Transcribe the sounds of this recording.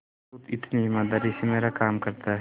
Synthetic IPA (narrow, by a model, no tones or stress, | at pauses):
ut̪ɪt̪niɪmaːd̪aːɾisemeːɾakaːmkɐɾt̪aɦ